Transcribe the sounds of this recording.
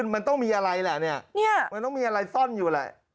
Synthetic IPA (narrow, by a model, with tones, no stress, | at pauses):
nma˧nt̪ɔ˥˩ŋmiː˧ʔa˧ɾa˧jlɛ˨˩ni˥˩ɐni˥˩ɐma˧nt̪ɔ˥˩miː˧ʔa˧ɾa˧jsɔ˥˩njuː˨˩lɛ̰˨˩